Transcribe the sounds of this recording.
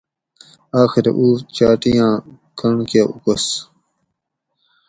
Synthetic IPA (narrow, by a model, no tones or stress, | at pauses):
aːxiɾḛʔuːt͡ɕaːʈijãː | kɐɳkeːʔukɐs